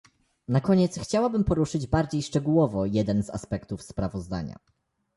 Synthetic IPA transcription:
nakɔɲɛt̪sxt͡ɕawabɘmpɔɾuʂɘd͡ʑbaɾd͡ʑejʂt͡ʂɛɡuwɔvɔjɛd̪ɛnza̰spɛkt̪ufspɾavɔzd̪a̰ɲa̰

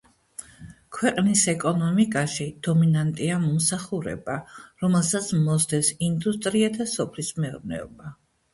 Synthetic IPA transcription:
kʰwɛqʼnisɛkʼɔnɔmikʼaʃid̪̥ɔminant̪ʼiamɔmsaχuɾɛ̰baɾɔmɛlˠsat̪sʰmɔzd̪ɛsind̪ust̪ʼɾiad̪asɔpʰlismɛɔɾnɛ̰ɔba

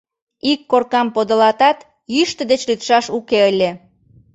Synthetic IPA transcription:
ikːorkɑmpod̪ŏlɑt̪ɑt̪ | jyʃt̪ə̆d̪et͡ɕlyt̪ʃɑʃukeəlʲe

